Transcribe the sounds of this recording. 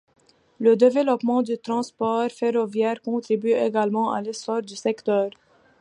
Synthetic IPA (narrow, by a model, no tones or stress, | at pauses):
ləd̪evelɔpmɑ̃d̪yt̪χɑ̃spɔʁfeʁɔvjɛʁkɔ̃t̪ʁibyeɡalmɑ̃a̰lesɔʁd̪ysɛkt̪œːʁ